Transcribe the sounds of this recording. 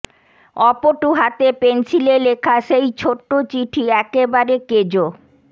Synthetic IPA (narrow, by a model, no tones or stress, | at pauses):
ɔpoʈuɦat̪epensilelekʰaʃejt͡ɕʰoʈːot͡ɕiʈʰiɛkebaɾeked͡ʑo